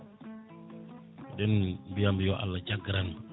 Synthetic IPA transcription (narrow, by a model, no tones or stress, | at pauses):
dɛnbijambijɔʔa̰lːat͡ʃaɡɾan